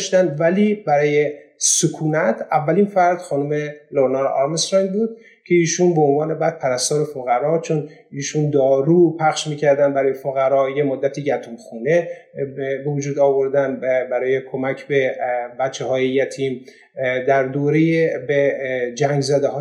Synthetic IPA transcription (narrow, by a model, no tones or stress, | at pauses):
ʃt̪ænd̪væliːbæɾɒːjesokʰuːnæt̪ʰævːælinfæɾd̪̥xɒːnumeloɾnɑɾɒ̰ɾmesɾɑjnbuːd̪̚ | cʲʰe̞iːʃunboonvɒːne̞bæd̪̥̚pʰæɾæst̪ɒːɾefoɣæɾɒːt͡ʃʰon | iːʃund̪ɒːɾuːpʰæχʃmiːcʰæɾd̪ænd̪bæɾɒːje̞foɣæɾɒːjemod̪ːæt̪ʰiːɟæt̪ʰumxuːne | bevud͡ʒuːd̪ɒːvo̞ɾd̪ænbæɾɒːje̞kʰo̞mæcʰbebæt̪t͡ʃʰːehɒːjejæt̪ʰiːm | d̪æɾd̪oːɾejebed͡ʒæŋɡzæd̪ehɒː